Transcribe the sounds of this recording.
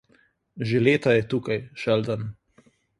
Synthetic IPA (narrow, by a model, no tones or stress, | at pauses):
ʒeleːt̪ajɛt̪uːkajʃɛld̪an